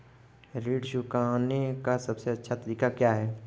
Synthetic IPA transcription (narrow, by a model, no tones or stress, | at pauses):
ɾeːɖʃʊkaːnekasɐbseɐtːʃʰat̪ɐɾiːkakjaːɦɛː